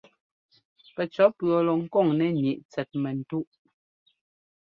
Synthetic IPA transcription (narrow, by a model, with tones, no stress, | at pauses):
pɛ˨t͡ʃɔ˨˦pɰɔ˨lɔ˨ŋ̩˦kɔ˦˨ŋnɛ˨ɲi˨ʔt͡sɛ˨t̚mɛ˨n̩˨tu˦ʔ